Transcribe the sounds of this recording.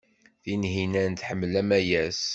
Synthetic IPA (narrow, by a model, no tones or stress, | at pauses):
θinɦinænt̪ħəmːlæmæjæs